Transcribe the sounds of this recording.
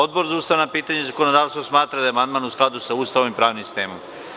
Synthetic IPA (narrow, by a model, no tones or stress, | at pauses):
od̪bo̞ɾzauːst̪aʋanapiːt̪aɲezako̞nod̪aːʋst̪ʋosmaːt̪ɾad̪aeamand̪maːnusklˠad̪usauːst̪aʋomipɾaːʋnimsi̥st̪e̞ːmo̰m